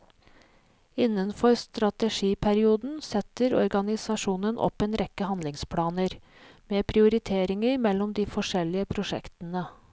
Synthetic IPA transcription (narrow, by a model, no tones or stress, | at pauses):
ɪnːənfɔɾst̪ɾɑt̪əʂiːpʰæɾɪuːd̪n̩sɛt̪əɾɔ̰ɾɡɑnɪsɑʂuːnənʔɔ̰peːnɾɛkːəhɑnd̪lɪŋspʰlɑːnəɾ | meːpʰɾɪʊɾɪt̪ʰeːɾɪŋəɾmɛlːɔmd̪iːfɔʂɛlɪəpʰɾʊʂɛ̰kt̪ən̩ə